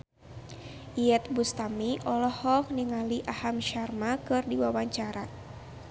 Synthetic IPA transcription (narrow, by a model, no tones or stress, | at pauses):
ʔiɛt̪̚bust̪amiʔɔlɔhɔk̚niŋaliʔahamʃarmakɨrdiwawaɲt͡ʃaɾa